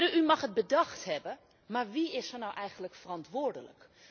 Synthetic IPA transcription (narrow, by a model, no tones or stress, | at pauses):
əymɑχɦət̚bədɑχtɦɛbə | maːɹʋiɪsənɔwʔɛjχəndləkfərɑntʋʊːɹdələ̰k